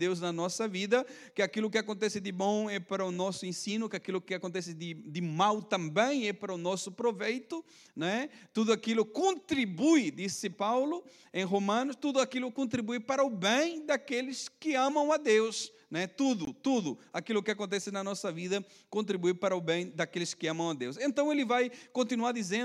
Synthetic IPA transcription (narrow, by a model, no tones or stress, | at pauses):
d̪ewznɐnɔsɐvid̪ɐ | kɪakilʊkɪakõnt̪ɛsɪd̪ɪbõɛpaɾɐʊnɔsʊẽsĩnʊkɪakilʊkɪakõnt̪ɛsɪd̪ɪd̪ɪmawt̪ɐ̃mbẽj̃ɛpaɾɐʊnɔsʊpɾovejt̪ʊ | nɛt̪ud̪ʊakilʊkõnt̪ɾibujd̪isɪpawlʊ | ẽj̃ɦomɐ̃nʊst̪ud̪ʊakilʊkõnt̪ɾibujpaɾɐʊbẽj̃d̪akelɪskɪɐ̃mɐ̃w̃ɐd̪ews | nɛt̪ud̪ʊt̪ud̪ʊakilʊkɪakõnt̪ɛsɪnɐnɔsɐviðɐ | kõnt̪ɾibujpaɾɐʊbẽj̃d̪akelɪskɪãmɐ̃w̃ɐd̪ewsẽnt̪ɐ̃w̃elɪvajkõnt̪inuaɾd̪izẽn